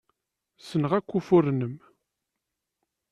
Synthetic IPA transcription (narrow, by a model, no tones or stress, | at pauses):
sənʁækʷːufʊɾnəm